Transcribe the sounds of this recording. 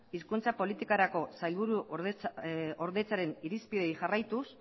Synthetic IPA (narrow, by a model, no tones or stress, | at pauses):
iskunt͡sapo̞lit̪ikaɾako̞sajlβuɾu | oɾðe̞t͡saɾe̞niɾispið̞e̞jxarajt̪us